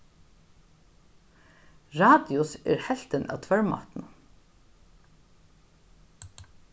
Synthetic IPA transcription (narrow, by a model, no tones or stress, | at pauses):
ɹɑːd̪ɪʊsḛːɹhɛlt̪ənʔɑ̰ːʋt̪ʰʋœɹmɑ̰ːt̪n̩